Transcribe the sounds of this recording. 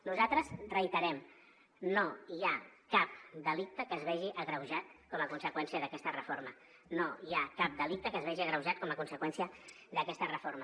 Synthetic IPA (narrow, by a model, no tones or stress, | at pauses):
nuzat̪ɾəzrəjt̪əɾɛm | noiakap̚d̪əlik̚t̪əkəːzβɛʒiʔəɣɾəwʒat̪̚kɔməkunsəkwɛnsiəðəkɛst̪ərəfoɾrmə | noiakap̚d̪əlik̚t̪əkəzβɛʒiəɣɾəwʒat̪̚kɔməkunsəkwɛnsiə | ðəkɛst̪ərəfoɾmə